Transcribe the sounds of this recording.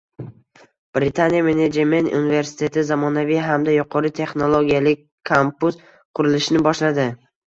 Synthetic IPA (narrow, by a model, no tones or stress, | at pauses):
b̥ɾɪt̪ʰanijame̞ned͡ʒemenṵnɪve̞ɾsɪ̥t̪ʰe̞t̪ʰɪzamɒnavijɦamd̪ajʊqʰɒɾɪt̪ʰe̞χno̞lˠoɡʲijalɪkʲʰːampus | qʰʊɾɪlɪʃnɪbɒʃlad̪ɪ